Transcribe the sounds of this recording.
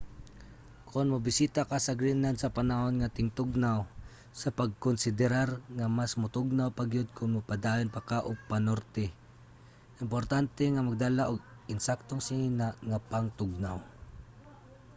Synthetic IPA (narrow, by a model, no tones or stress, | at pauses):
kʰʊnmabɪsiːt̪akasaɡɾɪnansɐpanahonŋat̪ɪŋt̪ʊɡ̚naw | sɐpaɡ̚kʊnsɪd̪ɛɾaɾŋamasmʊt̪ʊɡ̚nawpaɡjʊd̪̚kʊnmʊpad̪aːjonpakaʔʊpanoɾt̪ɛ | ʔɪmpoɾt̪ant̪ɛŋamaɡ̚d̪alaʔʊɡʔɪnsak̚t̪oŋsɪŋinaʔŋapaŋt̪ʊɡ̚naw